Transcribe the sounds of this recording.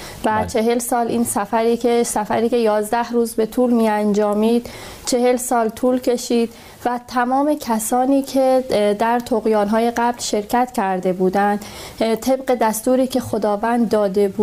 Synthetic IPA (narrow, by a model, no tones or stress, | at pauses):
væt͡ʃʰe̞ɦe̞lsɒːlʔiːnsæfæɾiːesæfæɾiːce̞jɒːzd̪æhɾuːzbe̞t̪ʰuːlmiænd͡ʒɒːmiːd̪̥ | t͡ʃʰe̞he̞lsɒːlt̪ʰuːlcʰe̞ʃiːd̪̥ | væt̪ʰæmɒːme̞cʰæsɒːniːcʰe̞d̪æɾt̪ʰoɣijɒːnɦɒːje̞ɢæblʃe̞ɾcʰæt̪cʰæɾd̪e̞buːd̪ænd̪̥t̪ʰe̞bɢe̞d̪æst̪uːɾiːcʰe̞xo̞d̪ɒːvænd̪ːɒːd̪e̞bu